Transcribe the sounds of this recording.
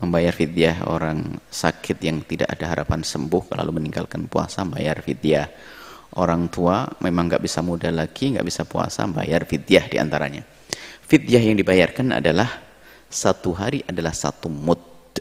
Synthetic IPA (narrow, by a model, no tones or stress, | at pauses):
məmbajarfid̪iaɦo̰ɾaŋsakʰɪt̪̚jaŋt̪idaʔadaɦaɾapansəmbʊhla̰luməniŋɡalkanpua̰samba̰jarfidiah | ʔoɾaŋt̪uamʔemaŋːɡaʔbisamudalaɡiŋɡa̰ʔbisapua̰sa̰mba̰jarfidiahdia̰nt̪aɾa̰ɲa | fid̪iahjaŋdibajarkana̰dalah | sat̪uɦaɾiʔadalahsa̰t̪umʊt̪̚